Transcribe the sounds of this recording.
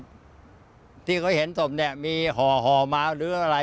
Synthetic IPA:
t̪ʰiː˥˩kʰɔː˧˥˩he˩˦nso˨˩p̚ni˥˩ɐmiː˧ɦɔː˨˩ɦɔː˨˩maː˧ɾɯː˨˦ʔa˧ɾa˧

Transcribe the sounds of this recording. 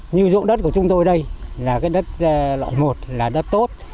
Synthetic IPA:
ɲɨ˧zo̰˧˨nɗə˦˥t̚ku˧˩ət͡ɕʊ˨˦ŋ͡mt̪o˧jɗə˧jlaː˨˩kaː˨˦jɗə˦˥t̚ːlɔ̰ː˧˨jmo˨˩t̚laː˨˩ɗə˦˥t̚t̪o˦˥t̚

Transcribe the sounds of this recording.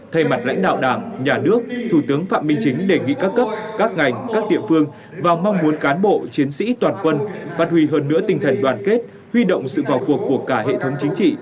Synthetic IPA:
t̪ʰə˧jma˨˩t̚la̰˧˥ŋ̟ɗa̰ː˧˨wɗaː˧˩ŋɲaː˨˩nɨ˦˥ək̚t̪ʰu˧˩t̪ɨ˨˦əŋfa̰ː˧˨mï˧ŋ̟t͡ɕï˨˦ŋ̟ɗe˧˩ŋḭ˧˨kaː˦˥kːə˦˥p̚kaː˦˥k̚ŋa˨˩jŋ̟kaː˦˥k̚ɗḭ˧˨əfɨ˧əŋ | vaː˨˩wma˧wŋ͡mmu˨˦ənkaː˨˦nɓo̰˧˨t͡ɕi˨˦ənsḭ˧˥t̪waː˨˩nkwə˧nfaː˦˥t̚hwi˧˩ɦəː˧nːɨ̰˧˥ət̪ï˧ŋ̟t̪ʰə˨˩jŋ̟ɗwaː˨˩nke˦˥t̚ | hwi˧ɗo̰˧˨wŋ͡msɨ̰˧˨vaː˨˩wku˨˩əkːu˧˩əkaː˧˩ɦḛ˧˨t̪ʰə˨˦wŋ͡mt͡ɕï˨˦ŋ̟t͡ɕḭ˧˨

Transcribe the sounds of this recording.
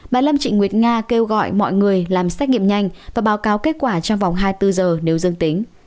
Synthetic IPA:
ɓaː˨˩lə˧mt͡ɕḭ˧˨ŋwi˨˩ət̚ŋaː˧ke˧wɣɔ̰˧˨jmɔ̰˧˨jŋɨ˨˩əjlaː˨˩msaː˦˥k̚ɲḭ˧˨əmɲa˧jŋ̟vaː˨˩ɓaː˨˦wkaː˨˦wke˦˥t̚kwaː˧˩t͡ɕɔ˧wŋ͡mva˨˩wŋ͡mɦaː˧jt̪ɨ˧zəː˨˩ne˨˦wzɨ˧əŋt̪i˨˦ŋ̟

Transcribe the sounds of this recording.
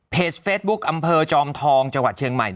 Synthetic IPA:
pʰeː˨˩s̚feː˦˥t̪̚bu˦˥k̚ʔa˧mpʰɤː˧t͡ɕɔː˧mt̪ʰɔː˧ŋt͡ɕa˧ŋwa˨˩t̪̚t͡ɕʰi˧əŋma̰˨˩j

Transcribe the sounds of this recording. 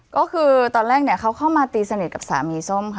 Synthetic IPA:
kɔː˥˩kʰɯː˧t̪ɔː˧nɾlɛː˥˩k̚ni˥˩ɐkʰa˦˥wkʰa˥˩wmaː˧t̪iː˧sa˧ni˨˩t̪̚ka˨˩p̚saː˩˦miː˧so˥˩mkʰa˥˩

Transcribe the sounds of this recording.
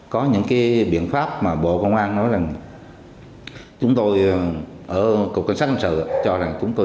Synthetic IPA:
kɔ˨˦ɲɨ̰˧˥ŋkaː˨˦jɓḭ˧˨ənfaː˦˥p̚maː˨˩ɓo̰˧˨kə˧wŋ͡mʔaː˧nnɔ˨˦jza˨˩ŋ | t͡ɕʊ˨˦ŋ͡mt̪o˧j | ʔəː˧˩kə˨˩k͡pka˧˩ŋsaː˦˥hnsɨ̰˧˨˧t͡ɕɔ˧za˨˩ŋt͡ɕʊ˨˦ŋ͡mt̪o˧

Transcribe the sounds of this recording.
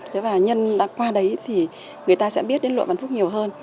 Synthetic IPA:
t̪ʰe˨˦vaː˨˩ɲə˧nɗa̰ː˧˥kwaː˧ɗə˨˦jt̪ʰi˨˩ | ŋɨ˨˩əjt̪aː˧sɛ̰˧˥ɓi˦˥ət̚ɗe˨˦nlṵ˧˨va˧˨nfu˦˥k͡p̚ɲi˨˩əwɦəː˧n

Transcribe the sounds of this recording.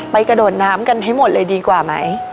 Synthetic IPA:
pa˧jka˧doː˨˩t̪̚naː˨˦mka˧nɦa˧˩jmo˨˩t̪̚lɤː˧jdiː˧kwaː˨˩ma˧˦j

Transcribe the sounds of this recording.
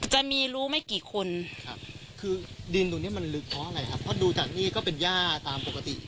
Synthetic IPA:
t͡ɕa˨˩miː˧ɾuː˦˥ma˥˩jkiː˨˩˦kʰo˧nkʰa˦˥p̚kʰɯː˧di˧nt̪ːni˥ɐ˨ma˧nlɯ˦˥k̚pʰɾɔ˦˥ʔa˧˩ɾa˧jkʰa˦˥pʰːɾɔ˦˥duː˧t͡ɕaː˨˩k̚niː˥˩kɔː˥˩pe˧njaː˥˩t̪aː˧mpo˨˩ka˧t̪ḭ˨˩

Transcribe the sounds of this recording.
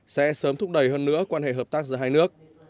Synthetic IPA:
sɛ̰˧˥səː˨˦mt̪ʰʊ˦˥k͡p̚ɗə˨˩jɦəː˧nːɨ̰˧˥əkwaː˧nhḛ˧˨ɦəː˨˩p̚t̪aː˦˥k̚zɨ̰ː˨˧˩ɦaː˧jnɨ˦˥ək̚

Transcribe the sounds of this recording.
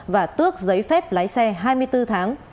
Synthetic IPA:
vaː˨˩t̪ɨ˦˥ək̚zə˨˦jfɛ˦˥p̚la̰ː˧˥jsɛ˧ɦaː˧jmɨ˧əjt̪ɨ˧t̪ʰaː˨˦ŋ

